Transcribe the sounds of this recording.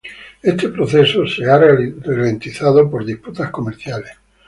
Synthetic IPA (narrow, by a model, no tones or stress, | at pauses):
est̪e̞pɾoθesosearelent̪iθaðopoɾðisput̪asko̞meɾθjales